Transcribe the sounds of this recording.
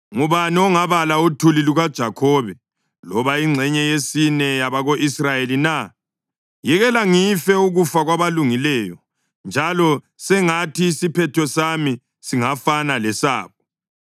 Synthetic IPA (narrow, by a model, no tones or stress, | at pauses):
ŋuβaniɔŋaβalautʰuliluɣad̥ʒ̥ʱakʰɔːβɛ | lɔβaiŋ͡ǀʱɛɲɛjesinɛjaβaɣoʔisrajelina | jɛɣɛlaŋifɛuɣufaɣwaβaluŋilɛːjɔ | nd͡ʒʱalɔ | sɛŋatʰiːsipʰɛtʰɔsami | siŋafanalɛsa̰ːkɔ